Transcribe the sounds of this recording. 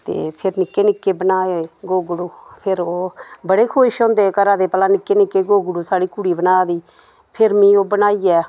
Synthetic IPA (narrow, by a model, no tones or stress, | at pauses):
t̪ḛːpʰɪɾnɪkːeːnɪkːeːbənaːeːɡoːɡʊɽuːpʰɪɾoːbəɽeːkʰoːɪʃõːnd̪eːkəɾaːd̪eːpəlãːnɪkːeːnɪkːeːɡoːɡʊɽuːsaːɽiːkuːɽiːbənaːd̪iː | pʰɪɾmĩːoːbənaːiːɛː